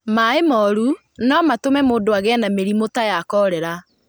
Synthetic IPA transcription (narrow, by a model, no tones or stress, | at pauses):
maemɔɾu | nɔmatomɛmoːndoaɣɛnameɾimotajakɔɾɛɾa